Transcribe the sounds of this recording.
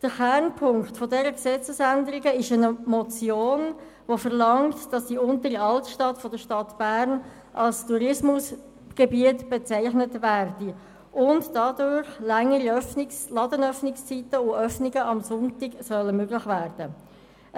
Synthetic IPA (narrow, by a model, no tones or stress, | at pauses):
d̥əχɛɾnpʰʊŋktfodɛɾəksɛt͡səsændəɾɪɡəɪʃənmɔt͡sjoːn | ʋofəʁlɑŋtd̥ɑsd̥iʊntəɾiɑltʃtɑtfɔd̥əʃtɑtb̥æːɾn | ʔɑlstuɾɪsmʊs | ɡ̥ebiətb̥et͡sæɪχnətʋæːrd̥i | ʔʊntd̥ɑdʊɾχlæŋːəɾiœfnɪslɑdənœfnɪkst͡sitəʊœfnɪɡəɑmsʊntɪɡsœləmøɡlɪχʋæːrd̥ə